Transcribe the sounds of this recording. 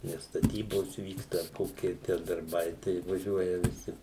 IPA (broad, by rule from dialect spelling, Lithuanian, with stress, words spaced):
nʲɛs stɐˈtʲiːboːs ʋʲiːkstɐ ɐr ˈkoːkʲɪ tʲæː dɐrˈbɐɪ tɐɪ ʋɐˈʒʲuɔjɛ ʋʲɪˈsʲɪ